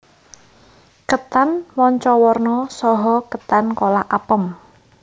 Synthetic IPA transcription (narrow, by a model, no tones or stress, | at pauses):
kət̪anwɔɲt͡ʃɔwɔrnɔsɔɦɔkət̪ankolaʔapəm